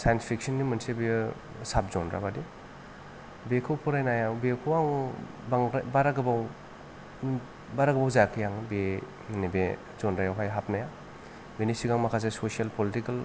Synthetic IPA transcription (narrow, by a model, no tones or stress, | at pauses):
sajnspʰik̚sɔnːimɯnsebi | sap̚zɔnɾa̰badi | bekʰɯwpʰɔɾajnajawbekʰowaŋ | baŋɾabaɾaɡabaw | baɾaɡbawzakʰijaŋbe | nibe | zɔnɾajawɦajɦap̚naja | benisiɡaŋmakʰas̬esosialpolitikal